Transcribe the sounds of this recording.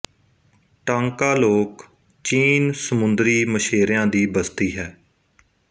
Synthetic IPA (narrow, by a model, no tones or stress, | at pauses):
ʈãːŋkaːloːk | t͡ʃiːnsəmʊnd̪ɾiːməʃeːɾjãːd̪iːbəst̪iːɦɛː